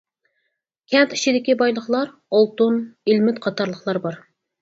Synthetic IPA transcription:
kʲʰɛnt̪i̥t͡ʃʰid̪ɪkʲibɑjlˠəχlˠɑɾ | olˠt̪unilmɪt̪qʰɑt̪ʰɑɾlˠəχlˠɑɾbɑɾ

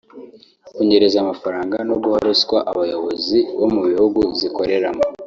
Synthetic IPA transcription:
kuɲeɾezamafaɾaːŋɡanoɡuhaɾuskwaʔaβajo̞βo̞ziβo̞muβihuɡuziko̞ɾe̞ɾamo

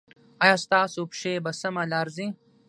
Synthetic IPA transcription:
ɐjast̪aːsupʃeːbɐsɐmɐlaːɾzĩ

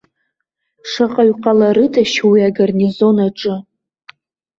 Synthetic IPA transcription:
ʂaqʼaɥqʼalaɾɨtʰaʃwiaɡarnizo̞naʈ͡ʂʼɨ

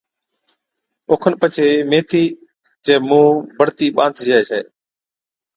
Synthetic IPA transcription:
oːkʰənpət͡ʃʰeːmeːt̪iː | d͡ʒeːmũːbəɾt̪iːɓãːnd̪ʱd͡ʒeːt͡ʃʰḛː

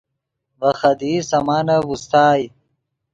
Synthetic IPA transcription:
vɐxɐd̪iːsɐmaːnɐbust̪aːj

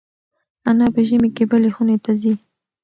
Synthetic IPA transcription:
anɑpəʒəmekebəlexunet̪azi

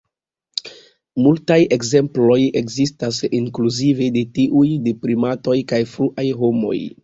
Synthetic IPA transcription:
multaje̞kze̞mplo̞jekzistasiŋkluzivedetiʔujdipɾimato̞jkajfɾuʔajɦo̞mo̞̰j

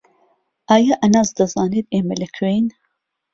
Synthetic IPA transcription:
ʔaːjaʔɐnɑːzd̪ɐzɑːned̪eːmɐlɐkʰwejn

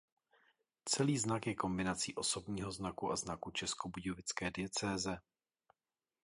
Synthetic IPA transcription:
t͡sɛliːznakjɛko̞mbɪnat͡siːʔo̞so̞bɲiːɦo̞znakuʔaznakut͡ʃɛskobuɟovɪt͡skɛːdɪjɛt͡sɛːzɛ

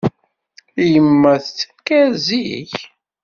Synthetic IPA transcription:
ijəmːæθt͡sːəkːæɾzḭç

